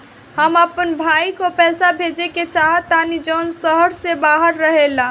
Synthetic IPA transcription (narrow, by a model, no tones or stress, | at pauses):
həməpənbʱaikopɛsabʱed͡ʒeket͡ʃaɦət̪ːanid͡ʒəʊnsəɦəɾsebaɦəɾːəɦelã